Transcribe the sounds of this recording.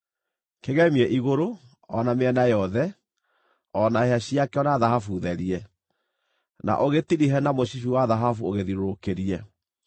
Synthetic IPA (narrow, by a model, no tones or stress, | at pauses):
keɣɛmiɛʔiɣoɾo | ɔnameɛnajɔðɛ | ɔnaheaɕiakɛɔnaðahafuðɛɾiɛ | na̰ʔoɣetiɾiɦɛnamoɕif̬iwaðaɦafuoɣeðiɾokeɾiɛ